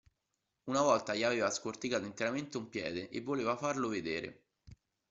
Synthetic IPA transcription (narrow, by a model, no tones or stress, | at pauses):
unavɔlt̪aʎiaveːvaskort̪ikaːt̪oint̪eɾament̪eumpjɛ̰ːd̪eʔevːoleːvafarloved̪eːɾḛ